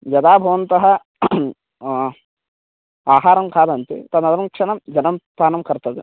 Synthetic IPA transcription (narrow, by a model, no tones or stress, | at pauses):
jɐd̪aːbʱɐʋɐnt̪ɐɦɐ | aːɦaːɾɐmkaːd̪ɐnt̪ḛt̪ɐnːɐd̪ɾɐmkʂɐɳɐmd͡ʒɐnɐmpaːnɐmkɐɾt̪ɐd̪i